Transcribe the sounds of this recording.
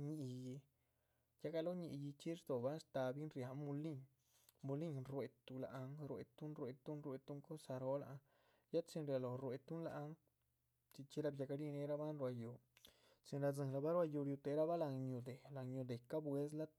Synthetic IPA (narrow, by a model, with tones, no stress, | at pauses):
ɲi˧ji˧ | ja˧ɡa˧lo˦ɲi˧ʔji˧t͡ʃi˦ɾd̪o˨ba˦n˦st̪a˧bi˦nɾja˧mu˧li˦ŋ | mu˧li˦ŋɾwe˧t̪u˧la˨a˧ŋɾwḛ˧t̪u˦nɾwe˧t̪u˦nɾwe˧t̪u˦ŋko˦sa˧ɾo˦la̰˧ | ja˦t͡si˧nɾja˨lo˨ɾwe˨˧t̪u˦nla˧ʔŋ | t͡ʃi˧t͡ʃi˦ɾa˦bja˧ka˧li˦ne˧ɾa˦ba˦nɾwa˧ju˨ | t͡si˧nɾa˧d͡zɨ˨˧˨la˧ba˦ɾwa˧ju˧ɾju˧t̪e˧ɾa˦ba˦la˧ŋɲu˧d̪e˨la˨ŋɲu˧d̪e˨ka˦bwe˦s̬la˦t̪